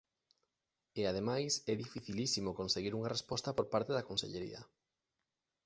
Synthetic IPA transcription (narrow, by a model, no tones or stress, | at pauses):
eað̞emajsɛðifiθilisimokonseɣiɾuŋɐrespɔst̪ɐpoɾpaɾt̪eðakonsḛʎeɾḭɐ̰